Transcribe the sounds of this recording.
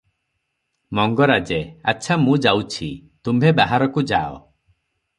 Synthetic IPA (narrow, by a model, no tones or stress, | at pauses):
mɔŋɡɔɾad͡ʒea̰t͡ʃʰamũd͡ʒawt͡ʃʰit̪umbʱebaɦaɾɔkud͡ʒaɔ̰